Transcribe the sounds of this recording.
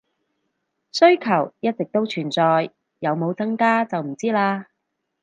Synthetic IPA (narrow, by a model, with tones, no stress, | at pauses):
sɵ˥ɥkʰɐ˨˩wjɐ˥t̚t͡sɪ˨k̚t̪o˥wt͡ʃʰyː˨˩nt͡sɔː˨˧j | jɐ˨˧wmo˨˧wt͡sɐ˥ŋkaː˥t͡sɐ˨wm̩˨˩t͡siː˥laː˧